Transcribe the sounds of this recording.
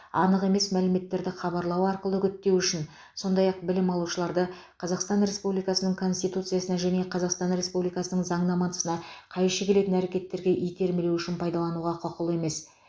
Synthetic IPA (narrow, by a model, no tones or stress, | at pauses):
ɑ̰nəʁe̞me̞smælɪme̞t̪ːe̞ɾd̪ɪχɑbɑɾlˠɑwɑɾqəlˠəɡʲʏt̪ːe̞wʏʃɪn | so̞nd̪ɑjɑq̚bɪlɪmɑlˠuʃəlˠɑɾd̪ə | qʰɑzɑqst̪ɑnɾe̞spublijkɑsənəɴkʰo̞nʲst̪ijt̪ut̪sɨjasənɑʒæne̞qʰɑzɑqst̪ɑnɾʲe̞spublijkɑsənəɴzɑɴnɑmɑnəsənɑqʰɑjʃəkʲʰe̞le̞t̪ɪnæɾe̞kʲe̞t̪ːe̞ɾɡʲe̞ʔijt̪ʲe̞ɾmelewʏʃɪnpʰɑjd̪ɑlˠɑnuʁɑqʰʊqəlˠe̞me̞s